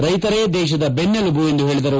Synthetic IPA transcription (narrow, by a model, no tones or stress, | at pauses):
ɾɐjt̪ɐɾeːd̪ɛːʃ̬ɐd̪ɐbenːɐlubue̞nd̪uɦe̞ːɭid̪ɐɾu